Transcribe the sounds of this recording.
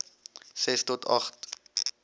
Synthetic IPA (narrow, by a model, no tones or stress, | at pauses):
sɛstɔtɑχt